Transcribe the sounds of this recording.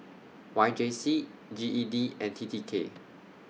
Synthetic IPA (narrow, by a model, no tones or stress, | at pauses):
wajd͡ʒesi | d͡ʒiʔidiɛ̃ntʰitikʰḛ